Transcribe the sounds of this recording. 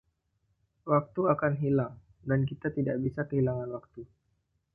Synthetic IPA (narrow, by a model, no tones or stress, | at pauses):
wak̚t̪uakanɦilaŋ | dankit̪at̪idaʔbisakəɦilaŋanwak̚t̪u